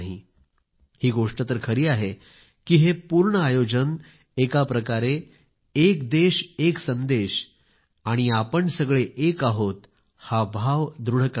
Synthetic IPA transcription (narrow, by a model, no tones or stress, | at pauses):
ɦḭ | hiːɡoʂʈət̪əɾkʰəɾiːaɦe | kiːɦepuɾɳəajod͡ʑən | ekapɾəkaɾe | ekd̪eɕeksənd̪eɕ | aɽ̃iapəɳsəɡɭeʔekaɦot̪ | habʱaʋd̪ɾuɽ̤ək